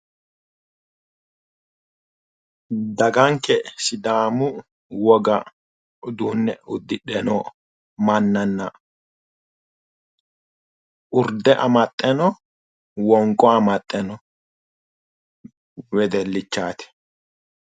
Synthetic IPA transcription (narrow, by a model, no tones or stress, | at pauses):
d̪ɐɡɐŋkːɛsɪd̪aːmʊ | wɔɡɐ | ʊd̪uːnːɛʊd̪ːɪɗɛnɔ | mɐnːɐnːɐ | ʔʊɾd̪ɛʔɐmɐt̪ʼːɛnɔ | wɔŋkʼɔɐmɐt̪ʼːɛnɔ | wɛd̪ɛlːɪt͡ʃːaːt̪ɪ̥